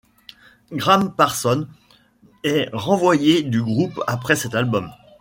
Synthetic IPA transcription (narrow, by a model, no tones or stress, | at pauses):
ɡʁampaʁsɔn | ɛʁɑ̃vwajed̪yɡʁupapχɛsɛt̪albɔm